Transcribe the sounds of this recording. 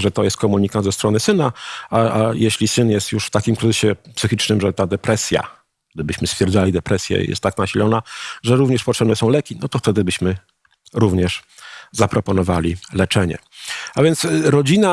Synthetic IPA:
ʐɛt̪ɔjɛst̪̚kɔmuɲikand̪zɛst̪ɾɔnɘsɘnaaajeɕlʲisɘnjɛst̪juʂft̪akʲimkɾɘzɘɕɛpsɘxʲit͡ʂnɘmʐɛt̪ad̪ɛpɾɛsʲja̰ | ɡ̚d̪ɘbɘɕmɘst̪fʲjɛɾd̪zalʲid̪ɛpɾɛsʲjɛ̰jɛ̰st̪ːaknaɕilɔnaʐɛɾuvɲɛʂpɔtʂɛbnɛsɔ̃w̃lɛkʲinɔt̪ɔft̪ɛd̪ɘbɘɕmɘ | ɾuvɲɛʂzapɾɔpɔnɔvalʲilɛt͡ʂɛɲɛ̰avʲjɛnt̪sɾɔd͡ʑina

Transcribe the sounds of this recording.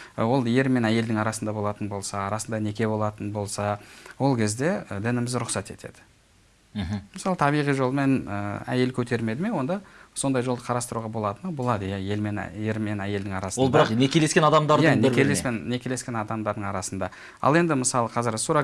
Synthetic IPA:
wo̞lˠje̞ɾme̞næje̞ld̪ɪŋɑɾɑsənd̪ɑbo̞lˠɑt̪ənbo̞lˠsɑːɾɑsənd̪ɑne̞kʲe̞bo̞lˠɑt̪ənbo̞lˠsɑwo̞lˠkʲʰe̞zd̪e̞d̪ɪnɪmɪzɾʊqsɑt̪e̞t̪ʰe̞̰d̪̥ɪ̥ | ɦməsɑlˠət̪ʰɑbijʁijʒo̞lˠəme̞nə̰æ̰je̞lkʲʰɵt̪e̞ɾme̞d̪ɪme̞wo̞nd̪ɑso̞nd̪ɑjʒo̞lˠd̪əqʰɑɾɑst̪əɾuʁɑbo̞lˠɑt̪ənbo̞lˠɑd̪əjæje̞lme̞n̰je̞ɾme̞næje̞ld̪ɪŋɑɾɑsəolˠdbɑneeleskʲenɑd̪ɑmd̪ɑɾjænkʲelespenːe̞kʲʰe̞le̞skʲe̞nɑd̪ɑmd̪ɑɾd̪əɴɑɾɑsənd̪ɑ | ɑ̰lˠe̞nd̪ɪməsɑlˠəqʰɑzɪɾsuɾɑ

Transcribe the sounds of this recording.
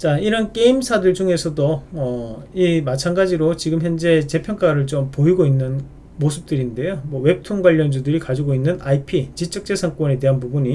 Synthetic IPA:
t͡ɕaiɾʌnk͈e̞imsʰadɯɭd͡ʑuŋe̞sʰʌdoʌimat͡ɕʰanɡad͡ʑiɾot͡ɕiɡɯmçjʌnd͡ʑe̞t͡ɕe̞pʰjʌŋk͈aɾɯɭt͡ɕompoiɡoinːɯn | mosʰɯp̚t͈ɯɾinde̞jomwʌwe̞p̚tʰuŋɡwaʎːʌnd͡ʑudɯɾikad͡ʑiɡoinːɯnaipʰit͡ɕit͡ɕ͈ʌk̚t͡ɕ͈e̞sʰaŋk͈wʌne̞de̞ɦanpubuɲi

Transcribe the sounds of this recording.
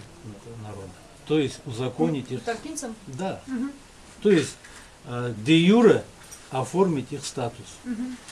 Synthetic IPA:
t̪nɐɾo̞d̪ə | t̪o̞jɪsʲtʲuzɐkonʲɪtʲiχd̪a | t̪ojɪsʲ | d̪ʲejuɾɨ | ɐfo̞rmʲɪtʲiχst̪at̪ʊs

